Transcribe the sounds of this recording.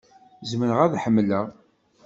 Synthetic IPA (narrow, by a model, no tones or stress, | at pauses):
zmənəʁæðħəmːləʁ